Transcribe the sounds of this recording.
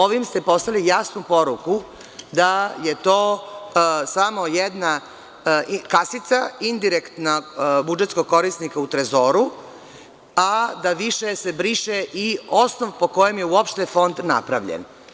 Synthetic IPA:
oʋimst̪e̞po̞st̪alijasnupo̞ɾuku | d̪aje̞t̪o̞ː | samo̞jed̪na | kasit̪saind̪iɾekt̪nabud͡ʒet̪sko̞ɡ̚ko̞ɾisnikaut̪ɾezo̞ːɾu | ad̪aʋiʃese̞bɾiʃeʔiosnoʋpo̞ko̞jemje̞uopʃt̪e̞fo̞nd̪na̰pɾaʋʎḛn

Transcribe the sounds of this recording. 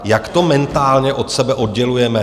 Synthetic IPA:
jakt̪o̞mɛnt̪aːlɲɛʔo̞t̪sɛbɛʔo̞d̪ɟɛlujɛmɛ

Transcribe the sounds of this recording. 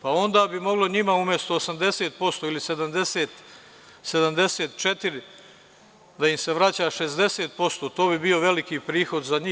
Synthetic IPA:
pao̞nd̪aːbimo̞ɡlo̞ɲimaumʲjest̪o̞ːsamd̪e̞seːt̪̚po̞st̪oilise̞d̪amd̪eseːt̪ | se̞d̪amd̪e̞seːt̪t͡ʃet̪iɾi | d̪aimse̞ʋɾat͡ɕaːʃe̞zd̪e̞seːt̪̚po̞st̪o̞ːt̪o̞ːbibio̞ʋe̞likiːpɾiːxo̞d̪zaɲiː

